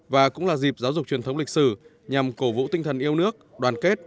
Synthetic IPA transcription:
vaː˨˩kʊ̰˧˥ŋ͡mlaː˨˩zi˨˩p̚zaː˨˦wzʊ˨˩k͡p̚t͡ɕwi˨˩ənt̪ə˨˦wŋ͡mlï˨˩k̚sɨ˧˩ | ɲa˨˩mko˧˩vṵ˧˥t̪i˧ŋ̟t̪ʰə˨˩nʔi˧əwnɨ˦˥ək̚ɗwaː˨˩nke˦˥t̚

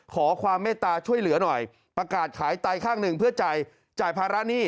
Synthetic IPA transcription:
kʰɔː˩˦kʰwaː˧mːeː˥˩t̪aː˧t͡ɕʰu˥˩əjlɯ˩˦ɐnɔ˨˩j | pɾa˧kaː˨˩t̪̚kʰaː˩˦jt̪a˧jkʰaː˥˩ŋnɯ˨˩ŋpʰɯ˥˩ət͡ɕa˨˩j | t͡ɕaː˨˩jpʰaː˧ɾa˦˥niː˥˩

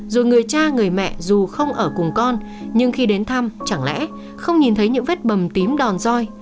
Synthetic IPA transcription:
zo˨˩jŋɨ˨˩əjt͡ɕaː˧ŋɨ˨˩əjmɛ̰˧˨zu˨˩xə˧wŋ͡mʔəː˧˩kʊ˨˩ŋ͡mkɔ˧n | ɲɨ˧ŋxi˧ɗe˨˦nt̪ʰa˧mt͡ɕa˧˩ŋlɛ̰˧˥ | xə˧wŋ͡mɲi˨˩nt̪ʰə˨˦jɲɨ̰˧˥ŋve˦˥t̚ɓə˨˩mt̪i˨˦mɗɔ˨˩nzɔ˧j

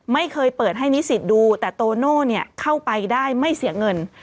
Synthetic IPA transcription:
ma˥˩jkʰɤː˧jpɤː˨˩t̪̚ɦa˥˩jni˦˥si˨˩t̪̚duː˧t̪ɛː˨˩t̪oː˧noː˥˩ni˥˩ɐkʰa˥˩wpa˧jdaː˥˩jma˥˩jsi˩˦ɐŋɤ˧n

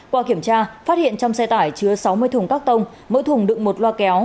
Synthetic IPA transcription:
kwaː˧ki˧˩əmt͡ɕaː˧faː˦˥t̚hḭ˧˨ənt͡ɕɔ˧wŋ͡msɛ˧jt̪aː˧˩jt͡ɕɨ˨˧˦əsa˨˦wmɨ˧əjt̪ʰʊ˨˩ŋ͡mkaː˦˥k̚t̪ə˧wŋ͡m | mə̰˧˥t̪ʰʊ˨˩ŋ͡mɗɨ̰˧˨ŋ̚mo˨˩t̚lwaː˧kɛ˨˦w

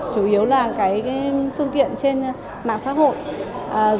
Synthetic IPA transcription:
t͡ɕu˧˩ʔi˨˦əwlaː˨˩kaː˨˦jaː˨˦jfɨ˧əŋt̪ḭ˧˨ənt͡ɕe˧n | ma̰ː˧˨ŋsa̰ː˧˥ɦo̰˧˨jʔ

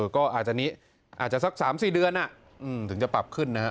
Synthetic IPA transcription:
ɤː˧˩kɔː˥˩ʔaː˨˩t̪̚t͡ɕa˨˩niː˦˥ | ʔaː˨˩t̪̚t͡ɕa˨˩sa˦˥k̚saː˩˦msiː˨˩dɯ˧ənʔa˨˩ʔ | ʔɯː˧˩mt̪ʰɯ˩˦ŋt͡ɕa˨˩pɾa˨˩p̚kʰɯ˥˩nːa˦˥a˦˥

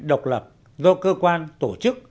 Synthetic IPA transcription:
ɗə˨˩wk͡p̚lə˨˩p̚ | zɔ˧kəː˧kwaː˧nt̪o˧˩t͡ɕɨ˦˥k̚

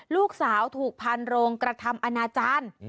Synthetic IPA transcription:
luː˥˩k̚saː˩˦wt̪ʰuː˨˩k̚pʰa˧nɾoː˧ŋkɾa˧t̪ʰa˧mʔa˧naː˧t͡ɕaː˧˥n

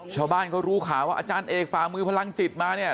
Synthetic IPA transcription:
t͡ɕʰaː˧˩wbaː˥˩nkʰɔː˥˩ɾuː˦˥kʰaː˩˦waː˥˩ʔaː˧t͡ɕaː˧nʔeː˨˧k̚faː˨˩mɯː˧pʰa˧la˧ŋt͡ɕi˨˩t̪̚maː˧ni˥˩ɐ

